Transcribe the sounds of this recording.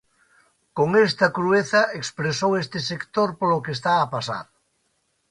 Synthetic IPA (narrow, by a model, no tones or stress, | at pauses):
koŋest̪ɐkɾueθɐʔekspɾesowest̪ɪsekt̪oɾpolokest̪aːpasa̰ɾ